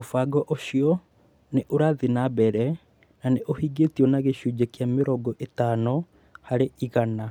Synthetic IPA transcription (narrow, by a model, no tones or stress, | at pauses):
ofaɡɔʔoɕiɔ | neʔoɾaðinabɛɾɛ | naneʔohiɡetiɔnaɣeɕud͡ʑɛkjameɾɔːɡɔʔetaːnɔ | haɾeiɣana